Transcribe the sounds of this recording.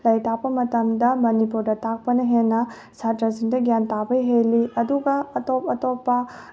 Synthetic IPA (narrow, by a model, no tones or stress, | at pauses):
lɐjtapːɐmɐtɐmdɐmɐnipuɾdɐtak̚pɐnɐɦenːɐ | satɾɐsiŋdɐɡjantabɐjɦejliɐduɡɐːtopɐtopːɐ